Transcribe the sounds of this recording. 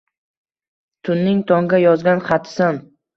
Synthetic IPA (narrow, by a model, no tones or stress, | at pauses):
t̪ʰʊnːɪŋt̪ʰɒŋɡʲajɒzɡʲanχat̪ʰɪ̥san